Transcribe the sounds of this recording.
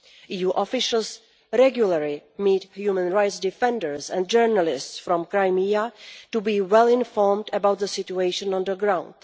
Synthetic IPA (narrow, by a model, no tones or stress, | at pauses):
ʔiːjuːʔɔfɪʃəlˠs | ɾɛɡjuləɹimiːthjumə̃nɹajtsdɪfɛ̃ndəɹsɛ̰̃n̚d͡ʒɜɹnalɪstsfɾɔ̃mkɾajmiatubiːwɛlɪ̃nfɔɹmdəbawt̪̚ðəsɪtueɪʃə̃nɔ̃nd̪əɡɾãw̃nd̥